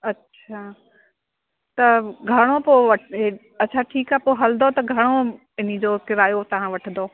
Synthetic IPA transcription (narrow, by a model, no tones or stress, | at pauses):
ɐtːɕʰaː | t̪ɐɡʱɐɽ̃opoːʋɐʈɦe | ɐtːt͡ɕʰaʈʰiːkaɦpoːɦɐlnd̪ot̪ɐɡʱɐɽ̃o | ɪnid͡ʑoːkɪɾaːjot̪ɐʋ̤ãʋɐʈʰə̃nd̪oː